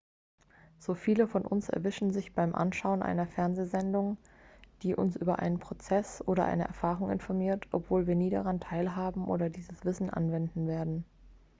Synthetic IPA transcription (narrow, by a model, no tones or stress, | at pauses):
z̥oːfiːləfɔnʔʊ̰nsɛ̰ɐvɪʃn̩zɪçb̥aɪmʔa̰nʃaʊənʔa̰ɪnɐfɛɐnzeːzɛndʊŋ | d̥iːʔʊ̰nsʔyːbɐʔa̰ɪnənpʁ̥ot͡sɛsʔoːɾɐ̰ʔa̰ɪnə̰ʔɛ̰ɐfaːʁʊŋɪ̰nfɔɐmiːɐtʰʔɔ̰pv̥oːlviːɐniːɾaʁantʰaɪlɦaːbm̩ʔo̰ːɾɐdiːzəsv̥ɪsn̩ʔa̰nvɛndn̩veːɐdn̩